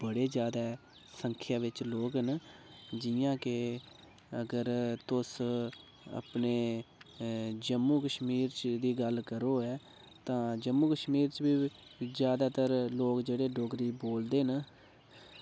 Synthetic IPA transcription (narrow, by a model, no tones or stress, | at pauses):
bəɽeːd͡ʒjaːd̪aː | səŋkʰjaːʋɪt͡ʃloːkɦənd͡ʒɪjãːkɪ | əɡəɾt̪ʊs | ə̰pneː | d͡ʒəmːuːkəʃmiːɾt͡ʃd̪iːɡəlkəɾoːɛː | t̪ãːd͡ʒəmːuːkəʃmiːɾt͡ʃbiːd͡ʒjaːd̪aːt̪əɾloːkd͡ʒeːɽeːɖoːɡɾiːboːld̪eːɦn